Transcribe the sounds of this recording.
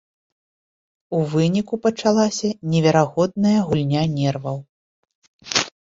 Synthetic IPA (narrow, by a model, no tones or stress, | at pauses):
uvɨnʲikupɐt͡ʂalˠasʲɐnʲɛvʲɛɾaɣɔd̪̚nɐjɐɣulʲnʲanʲɛrvɐw